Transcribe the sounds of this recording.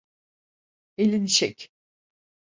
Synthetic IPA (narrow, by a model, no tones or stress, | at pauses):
elʲiniʃɛcʲ